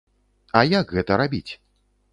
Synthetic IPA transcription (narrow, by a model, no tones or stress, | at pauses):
ɐjakɣɛt̪ɐɾabʲit͡sʲ